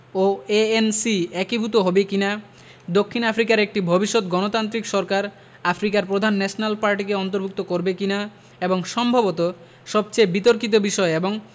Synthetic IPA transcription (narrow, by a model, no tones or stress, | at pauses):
oeensiɛkibʱut̪oɦɔbekina | d̪okʰːinafʰɾikaɾek̚ʈibʱobiʃːot̪ɡɔnot̪ant̪ɾikʃɔɾkaɾ | afʰɾikaɾpɾod̪ʱanːɛʃonalpaɾʈikeɔnt̪oɾbʱuk̚t̪okoɾbekina | eboŋʃɔmbʱabot̪o | ʃɔb̚t͡ɕejbit̪oɾkit̪̬obiʃɔeeboŋ